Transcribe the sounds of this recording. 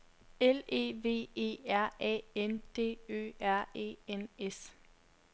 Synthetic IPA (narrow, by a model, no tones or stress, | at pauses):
ele̝̰ːʋe̝̰ːe̝̰ːæɐ̰ʔɛ̰ːend̥e̝̰ːø̰ːæɐ̰e̝̰ːenes